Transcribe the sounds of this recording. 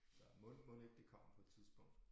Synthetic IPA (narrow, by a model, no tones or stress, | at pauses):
d̥ɑmɔlmɔle̝ɡ̥̚d̥ekʰɒ̽m̰əpʰɒ̽e̝d̥t͡sʰiðˠsb̥ɔ̽ŋ̰d̥